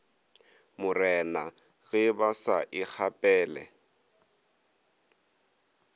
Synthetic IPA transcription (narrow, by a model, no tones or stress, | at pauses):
mʊrɛna | ɣɪbasaʔɪk͡xʰapʼɛːlɛ̰